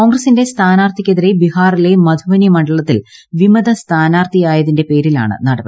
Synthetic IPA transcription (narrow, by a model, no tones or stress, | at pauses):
koːŋɡrɐsinde̞st̪ʰaːnaːrt̪ʰikʲːeðiɾe̞bihaːrile̞mɐd̪ʱuʋɐnjɐmɐɳɖɐɭɐt̪ːilʋimɐðɐst̪ʰaːnaːrt̪ijaːjɐðinde̞pe̞ːɾila̰ːɳɨ̰nɐɽɐbɐ